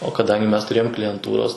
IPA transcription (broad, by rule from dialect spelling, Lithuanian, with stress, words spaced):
oː kɐˈdɐŋʲɡʲɪ ˈmʲɛs tʊˈrʲeːjoːm klʲɪjɛnˈtuːroːs